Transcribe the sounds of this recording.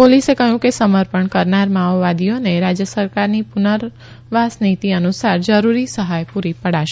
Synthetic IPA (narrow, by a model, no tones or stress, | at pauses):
polisekəɦjũkesəməɾpəɳkəɾnaɾmaʋːad̪ijoneɾad͡ʒjəsəɾkaɾnipʊnəɾ | ʋasnit̪iənusaɾd͡ʒəɾuɾisəɦajpuɾipəɽaʃe